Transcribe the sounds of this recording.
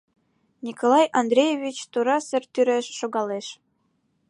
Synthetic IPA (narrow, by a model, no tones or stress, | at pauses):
nʲikolˠɑjʔɑnd̪ɾʲejevʲit͡ɕt̪uɾɑsə̆rt̪yɾeʃːoɣɑleʃ